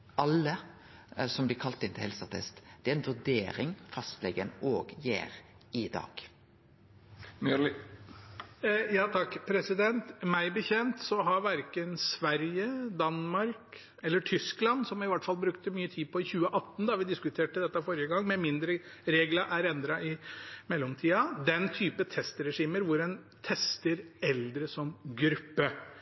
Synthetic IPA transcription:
ʔɑlːə | sɔmblɪkʰɑlt̪ɪnt̪ʰɪhɛlsɑt̪ʰɛ̰st̪d̪̥ɛæɾɛnʋʉɖeːɾɪŋfɑst̪lɛɡənoːɡjḛːɾ | ɪd̪ɑ̰ːɡ̥ | myl | jɑːt̪ʰɑkːpʰɾɛsɪd̪ɛnt̪mæɪbəçɛnt̪sɔɦɑɾʋæɾkənsʋæɾjəd̪ɑnmɑɾk | ɛlːəʈʰʏsklɑnsɔmɪʋɑʈːfɑlbɾʉkt̪əmyːət̪ʰiːpʰɔɪçʉːəʔɑt̪ːn̩d̪ɑʋɪd̪ɪskʉt̪ʰeːʈəd̪ɛt̪ːɑfɔɾjəɡɑŋːmɛmɪnd̪ɾəɾeːɡlɑʔæɾɛnd̪ɾɑʔɪmɛlːɔmt̪ʰiːɑd̪ɛnt̪ʰyːpət̪ʰɛst̪ɾɛʂiːməɾʋʊɾɛn | t̪ʰɛst̪əɾɛld̪ɾəsɔmɡɾʉpːə

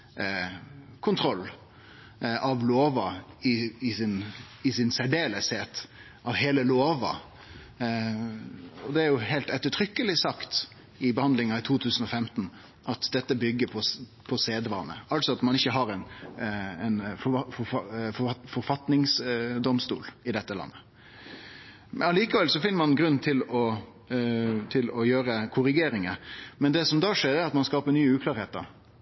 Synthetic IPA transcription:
kʰʊnt̪ʰɾɔlː | ɑʋloːʋɑɪɪsɪn | ɪsɪnsæɖeːləsheːt̪ | ɑʋɦeːləloːʋɑ̰ | ɔd̪ɛæɾjʊɦeɪlt̪ɛt̪ːəʈʰɾʏkːəlɪsɑkt̪ | ɪbəhɑnd̪lɪŋɑɪt̪ʰuːt̪ʰʉːsən̩ɔfɛmt̪n̩ | ʔɑt̪d̪ɛt̪ːəbʏɡːəpʰɔ | pʰɔseːd̪ʋɑ̰ːnə̰ɑlsɔɑt̪mɑnɪçːəɦɑɾɛn | ɛnfɔfɔfɔfɔɾfɑt̪nɪŋsd̪ɔmst̪ṵːlɪd̪ɛt̪ːəlɑ̰nːə | mɛɑliːkɑʋɛlsɔfɪnəmɑnɡɾʉnːt̪ʰɪlɔ | t̪ʰɪlɔjøːɾəkʰʊɾɪɡeːɾɪŋəmɛnd̪ɛsɔmd̪ɑːʂeːɾæɾɑt̪mɑnskɑːpəɾnyːəʉːklɑːɾheːt̪ə̰ɾ

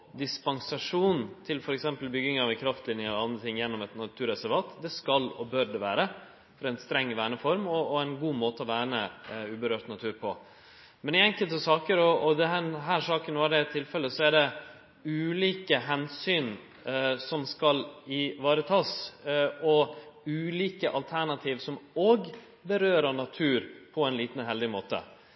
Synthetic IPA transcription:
d̪ɪspɑŋsɑʂuːnt̪ʰɪlfɔɾɛksɛmpəlbʏɡɪŋɑʋɛkʰɾɑft̪lɪnjɪəɑnd̪ɾət̪ʰɪŋːjɛnːɔmɛt̪nɑt̪ʰʉːɾɛsæɾʋɑːt̪d̪ɛskɑlɔbøɾɖɛʋæːɾə | fɔɾɛɪnst̪ɾɛŋːʋæːɳəfɔɾmɔːɛnɡuːmoːt̪əɔʋæːɳəʉːbəɾøːɾt̪nɑt̪ʰʉːɾpʰɔ | mɛnɪɛŋkəlt̪əsɑːkəɾɔɔd̪ɛɦæɦæːʂɑːkənːɔd̪ɛt̪ʰːɪlfɛlːəsɔæɖɛ | ʉːliːkəɦɛnsyːn | sɔmskɑlɪʋɑːɾət̪ʰɑːs | ɔʉːliːkəʔɑlt̪ʰæɳɑt̪ʰiːʋsɔmoːɡ | bəɾøːɾənɑt̪ʰʉːɾpʰɔɛɪnliːt̪n̩ɦɛld̪ɪmoːt̪ə̰

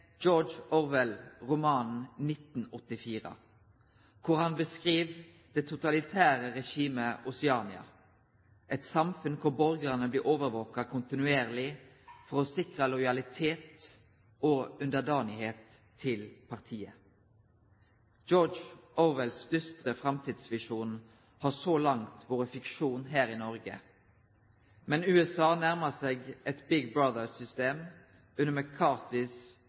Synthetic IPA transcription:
d͡ʒɔd͡ʒɔʋɛlʁʊmɑːnnɪt̪n̩ɔt̪ːɪfiːʁə̰ | kʰʊʁhɑnbəskʁiːʋ | d̪̥eːt̪ʰʊt̪ɑlɪt̪ʰæːʁəʁɛʃiːməʔʊsɪɑːnɪɑ̰ | ʔɛt̪sɑmfʉnkʰʊʁbɔɾɡəʁnəbliːʔoːʋəʁʋoːkɑkʰʊnt̪ɪnʉeːʁlɪ | fɔʁɔːsɪkʁəlɔʏjɑlɪt̪ʰeːt̪ | oːʉnd̪əd̪ɑːnɪheːt̪ʰː | ɪlpʰɑʁt̪ʰiːə | d͡ʒɔd͡ʒʔoːʋəlsd̪ʏst̪ʁəfʁɑmt̪ʰiːd̪sʋɪʃuːn | hɑːsoːlɑŋt̪ʋoːɾəfɪkʃuːnɦæːɾɪnɔʁɡə̰ | mɛnʉːɛsɑːnæʁməseːɡʔɛt̪bɪɡbɾɑd̪əsʏst̪eːm | ʉnːəməkʰɑːt̪ɪs

